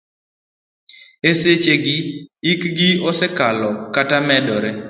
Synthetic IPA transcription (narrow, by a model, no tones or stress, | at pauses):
eset͡ʃeɡɪikɡɪɔsɛkalɔkatamɛdɔɾe